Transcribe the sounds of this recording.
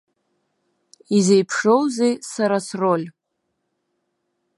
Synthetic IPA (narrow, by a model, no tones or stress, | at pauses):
izejpʰʂo̞wzejsaɾasro̞lʲ